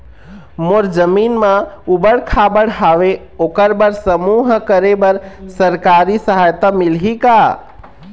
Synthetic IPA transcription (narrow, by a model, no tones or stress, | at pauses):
moɾd͡ʒəminmãubəɽkʰabəɽɦaʋe | okəɾbəɾsəmuɦkəɾebəɾsəɾkaɾisəɦajt̪amilɦika